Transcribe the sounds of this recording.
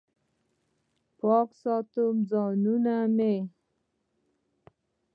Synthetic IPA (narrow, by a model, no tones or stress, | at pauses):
pɔksɑt̪umd͡zɔnuname